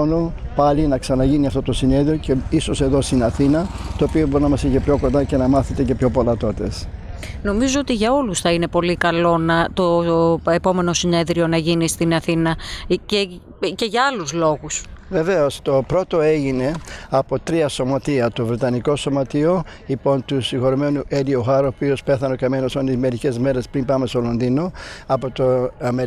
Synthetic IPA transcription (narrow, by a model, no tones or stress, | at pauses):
nupɐlinɐksɐnɐʝiniɐft̪o̞t̪o̞sine̞ðɾio̞ceiso̞se̞ðo̞st̪inɐθinɐt̪oːpio̞boɾinɐmɐsiçepço̞ko̞nd̪ɐce̞nɐmɐθet̪e̞ce̞pço̞po̞lɐt̪o̞t̪e̞s | no̞mizoot̪iʝɐo̞lusθɐine̞po̞likɐlo̞nɐt̪o̞e̞po̞me̞no̞sine̞ðɾio̞nɐʝinist̪inɐθinɐce | ce̞ʝɐɐluzlo̞ɣus | ve̞ve̞ost̪o̞pɾo̞t̪o̞e̞ʝine̞ɐpo̞t̪ɾiɐso̞mɐt̪iɐt̪ovɾet̪ɐniko̞so̞mɐt̪io | lipo̞nt̪usiŋxoɾome̞nuʔelioxɐɾoːpio̞spe̞θɐno̞kɐmenosonizme̞ɾice̞zme̞ɾe̞spɾimpɐmest̪olo̞nd̪ino̞ɐpo̞t̪oɐme